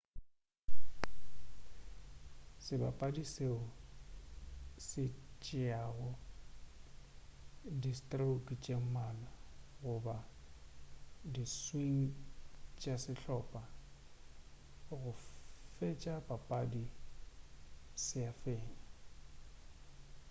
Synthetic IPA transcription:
sɪba̰pʼadiseʊ | sɪt͡ʃʼɪaɣɔ | distʼraukʼit͡ʃʼem̩malaɣʊba | diswiŋ̩t͡ʃʼasɪɬɔːpʼa | ɣʊfet͡ʃʼabapʼadi | sɪafeːɲa

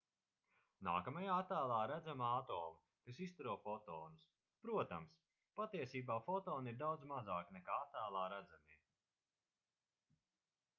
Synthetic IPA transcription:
na̰ːkamajaːat̪æːlˠaːɾæd̪zamaːt̪ɔːm | kasist̪uɾuɔfɔt̪ɔːnus | pɾuɔt̪a̰ms | pat̪iɛsiːbaːfɔt̪ɔːniɾd̪awd̪zmazaːknɛkaːat̪ːæːlˠaːɾæd̪zameː

